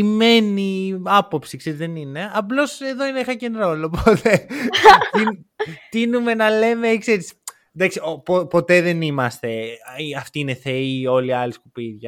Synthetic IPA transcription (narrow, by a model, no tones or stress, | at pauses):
ime̞niɐpo̞psikse̞ɾizðenine̞ɐplo̞se̞ðo̞ineixɐcenɾoloːpʰot̪ʰe̞ | t̪int̪inume̞nɐle̞mekseɾis | d̪ɐksiopopo̞t̪e̞ðe̞nimɐst̪e̞iɐft̪iine̞θe̞io̞liɐliskupiðʝɐ